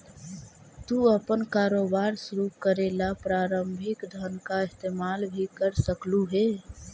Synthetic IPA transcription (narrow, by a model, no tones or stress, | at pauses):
t̪uəpənkaɾobaɾsuɾupkəɾelapɾaːɾəmbʱɪkd̪ʱənkaɪst̪emalbʱikəɾsəkluɦe